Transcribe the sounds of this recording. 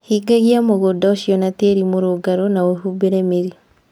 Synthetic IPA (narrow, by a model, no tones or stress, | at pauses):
hiɡaɣiamoɣodaoʃiɔnateːɾimoɾoɡaɾonaohubeɾɛmeɾi